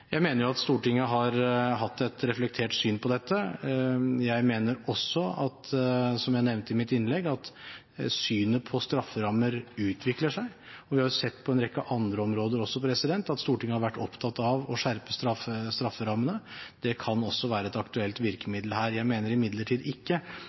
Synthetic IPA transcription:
jæɪmeːnəɾjʊɑt̪st̪uːʈɪŋːəɦɑɾɦɑt̪ːɛt̪ɾɛflɛk̚t̪ʰeːʈsyːnpʰɔd̪ɛt̪ːə | jæɪmeːnəɾɔsːɔɑt̪sɔmjæɪnɛʋnt̪əɪmɪt̪ɪnlɛɡːɑt̪ | syːnəpʰɔst̪ɾɑfːəɾɑmːəɾʉːt̪ʰʋɪkləʂæɪ | ɔʋɪhɑɾjʊsɛt̪ːpʰɔɛnɾɛkːəʔɑnd̪ɾəɔmɾoːd̪əɾɔsːɔpʰɾɛsɪd̪ɛnt̪ɑt̪st̪uːʈɪŋːəhɑɾʋæʈːɔpt̪ʰɑt̪ɑʋɔʂæɾpəst̪ɾɑfːəst̪ɾɑfːəɾɑmːənəd̪̥ɛkʰɑnɔsːɔʋæːɾəɛt̪ɑkt̪ʉɛlt̪ʋɪɾkəmɪd̪lɦæːɾjæɪmeːnəɾɪmɪd̪ləʈʰiːd̪ɪkːə

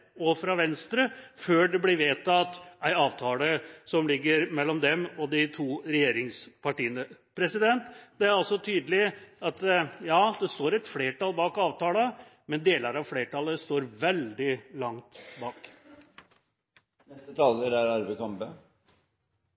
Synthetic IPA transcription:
ɔfɾɑʋɛnst̪ɾəføːɖɛblɪʋeːt̪ʰɑt̪æɪɑːʋt̪ʰɑːləsɔmlɪɡːəɾmɛlːɔmd̪ɛmɔd̪ɪt̪ʰuːɾɛjeːɾɪŋspʰɑʈiːənəpʰɾɛsɪd̪ɛnt̪d̪ɛæɾɑlsɔt̪ʰyːd̪əlɪɑt̪jɑːd̪ɛst̪oːɾɛt̪fleːʈɑlbɑːkɑːʋt̪ɑːlə | mɛnd̪eːləɾɑʋfleːʈɑləst̪oːɾʋɛld̪ɪlɑŋt̪bɑːk | nɛst̪ət̪ʰɑːləɾæɾɑɾbɛkɑmbə

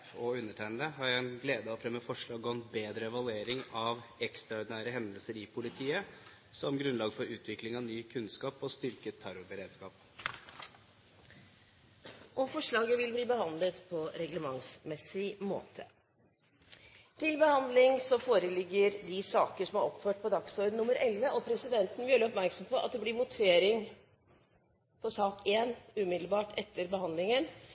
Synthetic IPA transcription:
ɔʉnːəʈʰæɪnd̪əɦɑɾæɪnɡleːd̪əɔfɾɛmːəfɔʂɭɑːɡɔnbeːd̪ɾəɛʋɑlʉeːɾɪŋɑʋɛkst̪ɾɑʊɖ̪ɪnæːɾəɦɛnd̪əlsəɾɪpʰʊlɪt̪ʰiːə | sɔmɡɾʉnlɑːɡfɔɾʉːt̪ʰʋɪklɪŋɑʋnyːkʰʉnskɑːpɔst̪ʏɾkət̪ʰːæɾʊbəɾeːd̪skɑːp | ʔɔmfɔʂɭɑːɡəʋɪlbliːbəhɑnd̪lət̪pʰɔɾɛɡləmɑŋsmɛsɪmo̰ːt̪ʰə | t̪ʰɪlbəhɑnd̪lɪŋsɔfoːɾəlɪɡːəɾd̪ɪsɑːkəʂɔmɑɾɔpføːʈ̚pʰɔd̪ɑksɔːɾd̪nʊmːəɾʔɛlʋəʔɔpʰɾɛsɪd̪ɛnt̪n̩ʋɪøləɔpmæɾksɔmpʰɔʔɑt̪̚d̪ɛblɪmʊt̪ʰeːɾɪŋ | pʰɔsɑːkeːnʉːmɪd̪l̩bɑːʈʰɛt̪ːəɾbəhɑnd̪lɪŋən

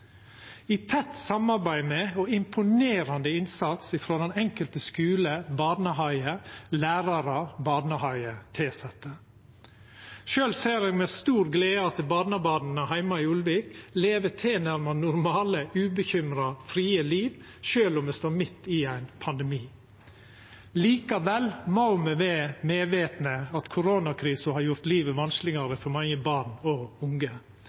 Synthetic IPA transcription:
it̪ʰɛt̪ːsɑmɑɾbæɪmɛɔɪmpʰʊneːɾɑnd̪əɪnsɑt̪sɪfɾoːd̪ɛnɛŋkəlt̪əskʉːləbɑːd̪nəɦɑɪəlæːɾɑɾɑbɑːdnəhɑɪət̪ʰeːsɛt̪ːə | ʃøːlseːɾɛɡmɛst̪uːɾɡleːəɑt̪ʰɪlbɑːd̪nəbɑːd̪n̩əɦæɪmɑɪʉlʋiːkleːʋət̪ʰeːnæɾmɑnʊɾmɑːləʔʉːbəçʏmɾɑfɾiːəliːʋ | ʃøːlɔmɛst̪oːmɪt̪ːɪæɪnpʰɑnd̪ɛmiː | liːkɑʋɛlmɑʊməʋɛːmeːʋeːt̪nəɑt̪kʰʊɾoːnɑkʰɾiːsəhɑːɾjʊɾt̪liːʋəʋɑnsklɪɡɑɾəfɔɾmɑŋəbɑɾɳɔʊŋɡə

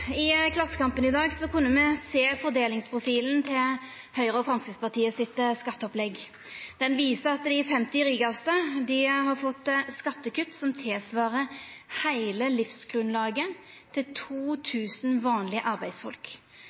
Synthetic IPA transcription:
ɪkʰlɑsə̥kɑmpənɪd̪ɑːɡsɔkʉnːəmɛseːfɔʁd̪eːlɪŋspʰʁʊfiːln̩t̪ʰɪl | hœʏʁəɔfɾɑŋsəspɑt̪ʰiːəsɪt̪skɑt̪ːəɔplɛɡ | d̪̥ɛnʋiːsəʁɑt̪d̪ɪfɛmt̪ɪɾiːɡɑst̪əd̪ɪhɑʁfɔt̪ːskɑt̪ːəkʉt̪ːsɔmt̪ʰɪːsʋɑːʁəhæɪləlɪfsɡ̥ʁʉnlɑːɡə | t̪ʰɪlt̪ʰuːt̪ʰʉːsnʋɑːnlɪəʔɑɾbæɪd̪sfɔ̰lk

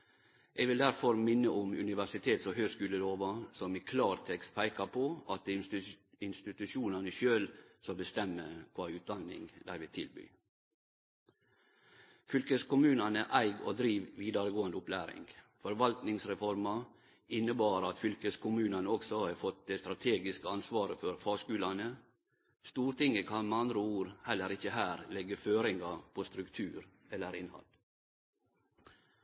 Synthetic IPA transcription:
ʔeːɡʋɪld̪æɾfɔɾmɪnːəʔʊmʉ̰nɪʋæʂɪt̪ʰeːt̪sɔhøːɡskʉːləloːʋɑsɔmiːkʰlɑːɾt̪ʰɛkst̪̚pʰæɪkɑpʰoɑt̪̚d̪i | ɪnst̪ɪt̪ʉʃuːnɑnəʃøːlsɑbəst̪ɛmːəkʰʋɑːʉːt̪̚d̪ɑnɪ̰ŋd̪æɪʋɪt̪ʰɪ̰lby̰ː | fʏlkəskʊmʉːnɑnəʔæɪɡo̰ːd̪ɾiːʋʋiːd̪ɑɾəɡoːənd̪əʊplæːɾɪ̰ŋɡfɔɾʋɑlt̪nɪŋsɾɛfɔɾmɑ | ɪnəbɑːɾɑt̪fʏlkəskʊmʉːnɑnəɔksɔhɑːfɔt̪̚d̪eːst̪ɾɑt̪ʰeːɡɪskəɑnsʋɑːɾəfɔɾfɑːɡskʉːlɑnə | st̪uːɾt̪ɪŋəkʰɑnmeɑnd̪ɾəuːɾhɛlːəɾɪçəhæːɾlɛɡəføːɾɪŋɡɑpʰoːst̪ɾʉkt̪ʰʉːɾ | ɛlːəɾɪnhɑ̰l

